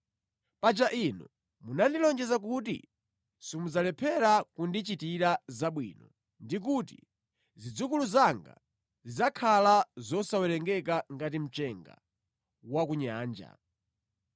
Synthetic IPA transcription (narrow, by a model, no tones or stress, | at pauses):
pat͡ʃaʔinṵ | munandilɔnd͡ʒɛzak̬ut̬ḭ | sumud͡zalɛpʰɛɾakundit͡ʃitiɾazaɓwḭnɔ | ndik̬utḭ | zid͡zukuluzaŋɡa̰ | zizakʰalazɔsawɛɾɛŋɡɛk̬aŋɡat̬im̩t͡ʃɛŋɡa̰ | wak̬uɲaːnd͡ʒa̰